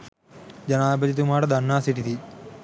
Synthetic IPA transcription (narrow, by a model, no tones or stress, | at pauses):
d͡ʒɐnaːbɐd͡ʒit̪̬umaːʈɐd̪ʱɐnːaːsiʈit̪ʰi